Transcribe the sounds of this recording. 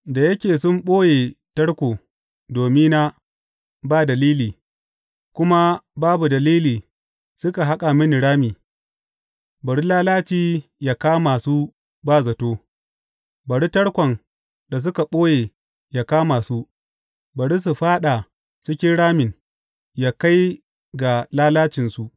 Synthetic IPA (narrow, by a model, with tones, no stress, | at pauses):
da˨jɐ˦kʲeː˨sʊ˦mɓoː˦jeː˨tɐ˦ɽkʷoː˨ | doː˨mɪ˦na˦ | baː˦˨dɐ˨liː˦liː˨ | kʷʊ˦ma˦baː˦bu˨dɐ˨liː˦liː˨ | sʊ˦ka˨ɦa˦kʼa˨mɪ˦n˨ɽaː˦miː˨ | bɐ˨ɽi˦laː˦laː˦t͡ʃiː˦jaː˨kaː˦maː˨suː˦ | baː˦zɐ˨toː˦ | bɐ˨ɽi˦tɐ˦ɽkʷɔ˨n | da˨s̬ʊ˦ka˨ɓoː˦jeː˨ | ja˨kaː˦maː˨su˦ | bɐ˨ɽi˦s̬u˨ɸaː˦ɗa˨ | t͡ʃɪ˦kʲɪ˦nɽaː˦mɪ˨n | jaː˦ka˦j | ɡa˨laː˦laː˦t͡ʃɪ˨nsu˨ʔ